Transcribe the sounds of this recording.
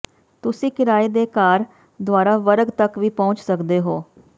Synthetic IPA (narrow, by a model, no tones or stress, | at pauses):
t̪ʊsĩːkɪɾaːeːd̪eːkaːɾ | d̪ʊaːɾaːʋəɾɡt̪əkʋiːpɔ̃ʊnt͡ʃsəkd̪eːɦoː